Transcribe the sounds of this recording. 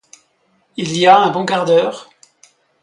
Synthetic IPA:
iliaɛ̃bɔ̃kaʁd̪œːʁ

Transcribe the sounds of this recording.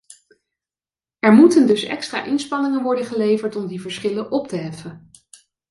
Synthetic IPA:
ɛɹmutəndɵsɛ̰kstra̰ːʔɪnspɑnɪŋənʋɔɹdəχəlejvəɹtɔmdivəɹsχɪlənʔɔptəɦɛfən

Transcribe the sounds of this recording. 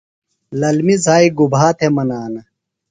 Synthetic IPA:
lɐlmizaːiɡubʱaːt̪ʰemɐnaːnɐ

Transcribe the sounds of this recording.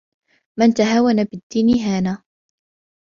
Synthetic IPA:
mant̪aɦaːwanabɪd̪ːiːniɦaːnaː

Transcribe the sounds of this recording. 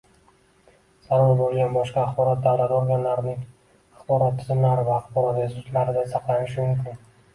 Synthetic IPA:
z̥aɾɒɾbolˠɡʲanbɒʃqɑːχbɒɾat̪̚d̪awlat̪oɾɡʲanlaɾnɪŋ | aχbɒɾat̪ʰːɪzɪmlaɾɪvaːχbɒɾat̪ɪzʊt̪laɾɪd̪asʰɑqlˠanɪʃ̬ɪmʊmkʲɪn

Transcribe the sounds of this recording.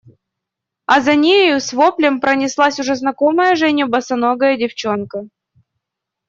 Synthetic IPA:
ɐzɐnʲejʊsvoplʲɪmpɾənʲɪslˠasʲʊʐɛznɐkoməjəʐɛnʲʊbɐsɐnoɡəjədʲɪft͡ɕo̞nkə

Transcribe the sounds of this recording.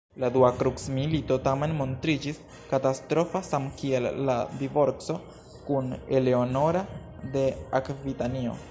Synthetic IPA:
laduakɾuksmilito̞tame̞nmo̞ntɾid͡ʒis | katastɾo̞fasamkielːadivo̞ɾkso̞ | kune̞le̞ono̞ɾa | de̞akvitanio̞̰

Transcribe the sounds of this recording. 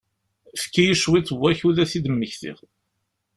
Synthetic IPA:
fə̥kːijiʃwit͡sːəwːæçuðæθid̪əmːəçθḭʁ

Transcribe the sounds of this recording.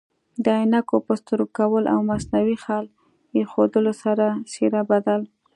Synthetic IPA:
d̪əajnakopəst̪əɾokawəlʔa̰wmasnawixɑl | jexod̪əlosaɾasiɾabad̪al

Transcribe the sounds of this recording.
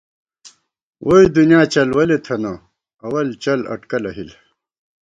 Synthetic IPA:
wʔoid̪unjaːt͡ɕɐlwɐlet̪ʰɐno | ɐwɐlt͡ɕɐlɐ̰ʈkɐlɐɦil

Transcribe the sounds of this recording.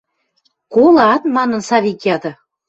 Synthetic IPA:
kolɑt̪mɑnə̆nsɑβikiɑd̪ɤ̆

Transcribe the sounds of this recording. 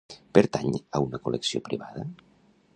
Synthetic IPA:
peɾt̪aɲəunəkulʔeksio̰pɾiβaðə

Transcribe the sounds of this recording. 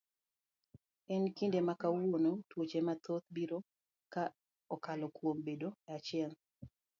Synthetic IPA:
ɛnkindemakawonotwot͡ʃemat̪ot̪̚biɾo | ka | ɔkalɔkwombedoat͡ʃɪɛl

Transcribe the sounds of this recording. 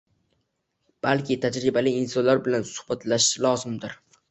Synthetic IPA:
b̥alkʲʰɪt̪ʰad͡ʒɾɪbalɪɪnsɒnlaɾbɪlansʊ̥hb̥at̪ʰlaʃlˠɒzɪmd̪ɪɾ

